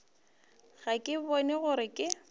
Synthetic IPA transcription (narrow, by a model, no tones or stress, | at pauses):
ɣakʼɪbɔnɛɣʊɾɪkʼɪ